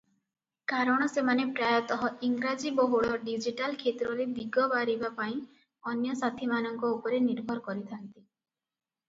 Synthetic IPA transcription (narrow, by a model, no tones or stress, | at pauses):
kaɾɔɽ̃ɔsemanepɾajɔt̪ɔɦɔiŋɡɾad͡ʒibɔɦuɭɔɖid͡ʒiʈalkʰet̪ɾɔɾed̪iɡɔbaɾibapaĩ | ɔnjɔsat̪ʰimanɔŋkɔupɔɾeniɾbʱɔɾɔkɔɾit̪ʰant̪i